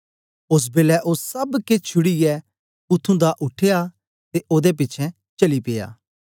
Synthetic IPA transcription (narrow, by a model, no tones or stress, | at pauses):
ʊs̬beːlɛʔʊsːɐbket͡ʃʰʊɽijɛ | pʊt̪ʰːũd̪aʔʊʈʰeja | t̪eʔoːd̪ep̬ɪːt͡ʃʰɛ̃ | t͡ʃɐlipɪːja̰ː